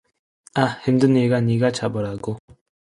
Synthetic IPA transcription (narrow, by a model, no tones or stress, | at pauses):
ahemdɯneɡaɲiɡat͡ɕabʌɾaɡo